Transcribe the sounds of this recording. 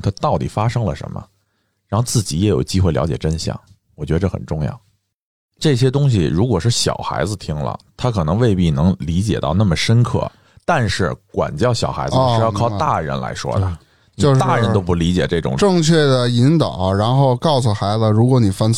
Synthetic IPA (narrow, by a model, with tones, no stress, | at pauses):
t̪ʰa˥t̪ɑ˥˩ʊt̪i˨˩fa˥ʂɤ˥ŋlə̰˨ʂə̰˧˥nmə̰˧ | ɻa˧˥nxo˥˧t͡sɹ̩˥˩t͡ɕi˧˥jɛ˧˥jo˨˩ʊt͡ɕi˥xwe˥˩ljɑ˧˥ʊt͡ɕjɛ˨˩ʈ͡ʂə˥nɕjɑ̰˥˩ŋ | wɔ˨˩t͡ɕɥɛ˧˥ə˧ʈ͡ʂə˥˩xə̰˨˩nʈ͡ʂʊ˥˧ŋjɑ̰˥˩ʊ | ʈ͡ʂɤ˥˩ɕ̬jɛ˥t̪̬ʊ˥ŋɕ̬i˨ɻu˧˥kwɔ˨˩ʂɻ̩˥˩ɕjɑ̰˨˩ʊxa˧˥ɪd͡zɹ̩˧t̪ʰi˥ŋlə̰˩t̪ʰa˥kʰɤ˨˩nɤ˧˥ŋwe˥˧ɪpi˥˩nɤ˧˥ŋli˧˥t͡ɕjɛ̰˨˩t̪ɑ˥˧ʊna˥˩mə˩ʂə˥nkʰɤ̰˥˩ | t̪a˥˧nʂɻ̩˥˩kwa̰˨˩nt͡ɕjɑ˥˩ʊɕjɑ˨˩ʊxa˧˥ɪd͡z̩˧ɻ̩˥˧jɑ˥˧kʰɑ˥˧ʊt̪a˥˩ɻə̰˧˥nla̰˧˥ɪʂwɔ̰˥d̪ə˩ | nt͡ɕ̪o˥˧ʂt̪a˥˩ɻə˧˥o˥ʊp̬u˧˩li˧˥t͡ɕjɛ˨˩ʈ͡ʂɤ˥˩ʈ͡ʂʊ̰˨˩ŋʈ͡ʂɤ˥˧ŋt͡ɕʰɥɛ˥˩d̪ə˩i˧˥ŋt̪ɑ˨˩˦ɻa˧˥nxo˥˧ʊkɑ˥˩ʊs̬ə˨˩xa˧˥ɪd͡zə˧ɻu˧˥kwɔ˧˥ni˨˩fa˥n